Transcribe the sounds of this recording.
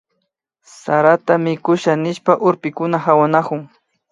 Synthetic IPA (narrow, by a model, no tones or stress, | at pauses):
saɾat̪amɪkʊʃanɪʃpaʔʊɾpɪkʊnahawanakʊŋ